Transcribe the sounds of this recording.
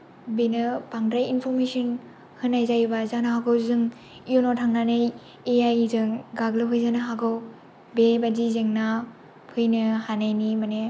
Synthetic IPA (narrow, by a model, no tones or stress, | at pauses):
benɯpaŋdɾajinpʰɔɾmesɯn | hɯnːajzajbazanaɦaɡɯwzɯŋ | ijonotʰaŋnanɯj | ejajzɯŋɡaɡlɯpʰɯjzanɯɦaɡɯw | bebadizɯŋna | pʰɯjnɯhanajnimane